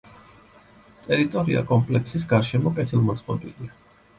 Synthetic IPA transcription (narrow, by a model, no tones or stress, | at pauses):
t̪ʼɛɾit̪ʼɔɾia̰kʼɔmpʼlɛksis̬ɡaɾʃɛmɔkʼɛt̪ʰilˠmɔt̪sʼqʼɔbilia